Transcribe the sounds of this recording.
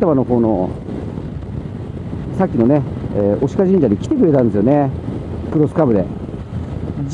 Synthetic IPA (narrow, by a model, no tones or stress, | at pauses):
t̪amano̞ɦo̞ːno̞ | sakʲːino̞neeʔo̞ɕi̥kaʑĩɲ̟d͡ʑaɲikʲi̥t̪e̞kɯɾe̞t̪ãnd̪esɨjone̞kɯɾosɨ̥kabɯ̟d̪e̞̰